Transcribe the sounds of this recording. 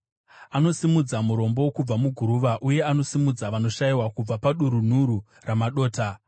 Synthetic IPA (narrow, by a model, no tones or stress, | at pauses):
ano̞simud͡zamuɾo̞mbo̞kub͡vamuɡʱuɾuʋaʔuje̞ano̞simud͡zaʋano̞ʃaiwakub͡vapaɗuɾun̤uɾu | ramaɗo̞ːta